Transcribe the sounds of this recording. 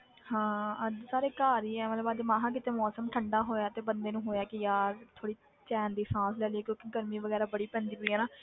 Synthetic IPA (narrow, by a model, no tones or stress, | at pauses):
hãːsaːɾeːkaːɾiːɛːmət̪ləbaːd͡ʒemãːɦãːk̬ɪt̪eːmɔːsəmʈʰəɳɖaːɦoːjaːt̪eːbənd̪eːnũːɦoːjaːkɪjaːɾt̪ʰoːɽiː | t͡ʃɛːnd̪iːsãːslɛːlieːkjõːkiɡəɾmiːʋəɡɛːɾaːbəɽiːpɛ̃ːnd̪iːɦoiːɦɛːnaː